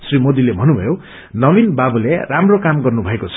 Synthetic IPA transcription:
srimod̪ilebʱʌnubʱʌjo | nʌbinbabuleramrokamɡʌrnubʱʌekot͡sʰʌ̥

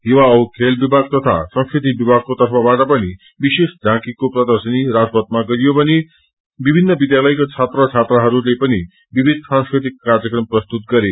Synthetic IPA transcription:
ɦiwaʌwkʰelbibʱaɡ̚t̪ʌt̪ʰa̰sʌ̃ŋskɾid̪ʱibibʱaɡ̚kot̪ʌrpʰabaʈʌpʌni | bisesdʱãkikoprʌd̪ʌrsʌniɾad͡zpʌt̪̚maɡʌɾijobʌni | bibʱinːʌbid̪jalʌjkot͡sʰat̪rʌt͡sʰat̪rʌɦʌɾulepʌni | bibʱid̪̚ʱsãŋskɾet̪ikːard͡zʌkrʌmprʌst̪ut̪̚ɡʌɾe

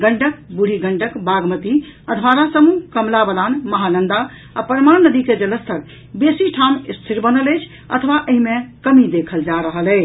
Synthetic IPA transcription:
ɡəɳʈək̚buɽ̤ʱiɡəɳʈəkbaɡmət̪iəd̪ʰʱʋaɾasəmukəmlabəd̪anməɦanənd̪a | apɾəmannəd̪iked͡ʒələst̪ʰəɾ | besiʈʰamist̪ʰiɾbənələjt͡ʃʰ | ə̰t̪ʰəʋaʔəɦimekəmid̪ekʰəld͡ʒaɾəɦəlɛɪ

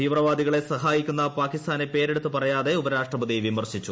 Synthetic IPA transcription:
t̪iːʋrɐʋaːd̪iɣɐɭe̞sɐɦaːjikʲːunːɐpaːkːist̪ʰaːne̞pe̞ːɾe̞ɽut̪ːɨpɐrɐjaːðe̞ubɐɾaːʂʈrɐbɐðijʋimɐrɕit͡ɕːu

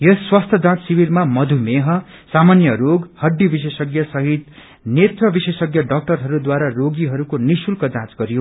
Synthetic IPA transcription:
jʌsːwast̪ʰjʌd͡zãt͡ssibiɾmamʌd̪ʱumeɦʌ | samanjʌɾoɡhʌɖːibis̬esʌɡjʌsʌɦit̪ | net̪rʌbisesʌɡjʌɖʌk̚ʈʌrɦʌɾud̪waɾaroɡiɦʌɾukonisulkʌd͡zãt͡sɡʌɾijo

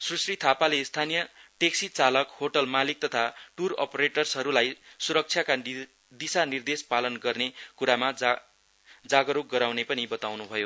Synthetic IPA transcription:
srusrit̪ʰapalest̪ʰanijʌʈeksit͡salʌkhoʈʌlmalik̚t̪ʌt̪ʰaʈurʌ̰pʌɾeʈʌrsɦʌɾulajsuɾʌk̚t͡sʰjaka | d̪isanird̪espalʌnɡʌrnekuɾama | d͡zaɡʌɾok̚ɡʌɾawnepʌnibʌt̪awnubʱʌjo

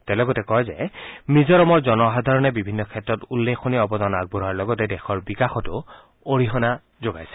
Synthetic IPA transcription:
tɛlɔɡɔtɛkɔjzɛ̰mizɔɹɔmɔɹzɔnɔɦadʱaɹɔnɛbibʱinːɔkʰɛtːɹɔtulːekʰːoniɔbɔdanaɡ̚buɾaɹlɔɡɔtɛdɛxɔɹbikaxɔtʊ | oɹiɦɔna | zoɡa̰jsɛ̥

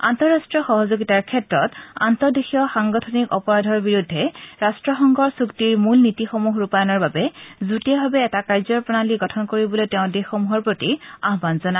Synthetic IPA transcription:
a̰ntɔɹastɹiɔxɔɦɔzoɡitaɹkʰɛtɹɔta̰ntɔdexijɔxaŋɡɔtʰɔnikɔpɔɹadʱɔɹbiɹudʱːɛɹastɹɔxɔŋɡʱɔɹsuktiɹmulnitixomuɦɹupajɔnɔɹbabɛzutijabʱabɛːtakaɹzɔɹpɹɔnaliɡɔtʰɔnkoɹibɔlojtɛʊ̃dexomuɦɔɹpɹotiaɦbanzɔna

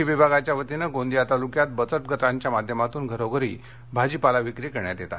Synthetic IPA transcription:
iʋibʱaɡat͡ɕjaʋət̪inəɡõnd̪ijat̪alukjat̪̚bət͡səʈ̚ɡʱət̪aɲt͡ɕjamad̪ʱjəmat̪uːnɡʱəɾoɡəɾḭː | bʱad͡ʑiːpalaʋikɾikəɾɳjat̪jet̪a̰

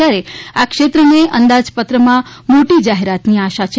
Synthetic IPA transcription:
aɾeakʃet̪ɾəneʔənd̪ad͡ʒpət̪ɾəmã | moʈid͡ʒaɦeɾat̪niaʃat͡ʃʰ

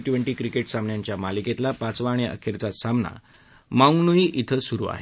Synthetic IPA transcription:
ʈʋeɳʈiːkɾikeʈsamɳjaɲt͡ɕjamaliket̪lapat͡sʋaɽ̃eə̰kʰeɾt͡sasamna̰ | mauŋɡnuiʔit̪ʰəsuɾṵa̰ɦe

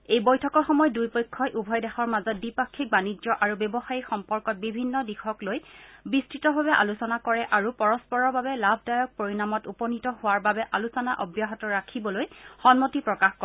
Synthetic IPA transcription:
ejbɔjtʰɔkɔɹxɔmɔjɔdujpɔjkʰːɔjʔubʱɔjdɛxɔɹmazɔt̚bipakʰːik̚banid͡ʒɔʔaɹubebɔxajixɔmpɔɹkɔt̚bibʱinːɔdixʰɔklojbistɹitɔbʱaβɛʔa̰lusɔnakɔɹɛʔaɹupɔɹɔspɔɹɔɹbabɛlabʱdajɔk̚poɹinamɔtupɔnitɔhʊwaɹbabɛʔalusɔnaʔɔbjaɦɔtɔɹakʰibɔlojxɔnmotipɹɔkaxkɔ

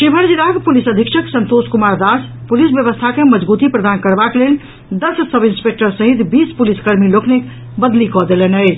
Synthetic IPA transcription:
ʃibʱəɾd͡ʒiɾaɡpulisəd̪ʱikʃʰəksənt̪oskumaɾd̪aspulisbjəβəst̪ʰakeməd͡ʒbut̪ipɾəd̪ankəɾbaklel | d̪əssəbinspek̚ʈəɾsəɦit̪bispuliskəɾmiloknek | bəd̪likɔd̪elenəjt͡ʃʰ

